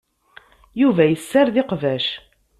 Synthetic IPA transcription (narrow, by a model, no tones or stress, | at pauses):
juvæjəsːaɾðɪqvæʃ